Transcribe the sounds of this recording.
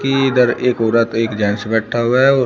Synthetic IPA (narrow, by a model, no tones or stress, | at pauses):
kid̪əɾeːkoːɾət̪eːkd͡ʒaːnsebɛːʈʰaɦuaɔː